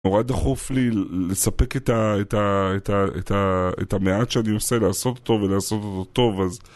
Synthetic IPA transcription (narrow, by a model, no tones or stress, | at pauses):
noʁad̪aχuflile̞sape̞ketaetaetaḛtʰaḛtameatʃeaniose̞laːso̞t̪tːovelaːso̞t̪otot̪o̞vaz